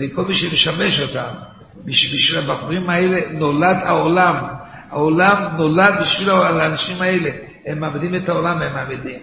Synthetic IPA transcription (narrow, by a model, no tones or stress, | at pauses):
veko̞lmiʃemeʃame̞ʃo̞t̪am | biʃbiʃvilabaχuʁimaeleno̞lad̪aolam | a̰olamnolad̪̚biʃvilalaːnaʃimaele | hemːaːmedimethaolamemːaːmedim